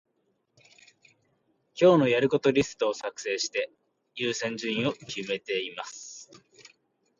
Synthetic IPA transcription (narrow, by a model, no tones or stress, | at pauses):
kʲo̞ːno̞jaɾɯ̟ko̞t̪o̞ɾʲisɨ̥t̪oːsakɯ̟̥se̞ːɕi̥t̪e̞ | jɯːsẽ̞ɲ̟d͡ʑɨ̃ĩo̞kʲʰime̞t̪e̞imasɨ̥